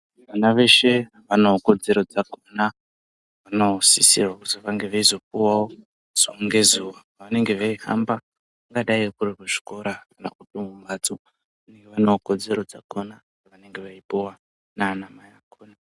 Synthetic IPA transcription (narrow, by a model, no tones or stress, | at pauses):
ʋanaʋe̞ʃe̞ | ʋanooko̞d͡ze̞ɾo̞d͡zakona | ʋano̞sisirwakutiʋaŋɡe̞ʋaizo̞p̚uwao | z̥ooŋɡe̞zuːwa | ʋane̞ŋɡe̞ʋaiha̰mba | ʋaŋɡaɗaikuriruʐi̥ko̞ɾakana̰kutumumat͡so | ʋane̞ŋɡeʋanooko̞d͡ze̞ɾo̞d͡zakʰona | iʋane̞ŋɡe̞ʋaipuwa | nanamajakʰoːna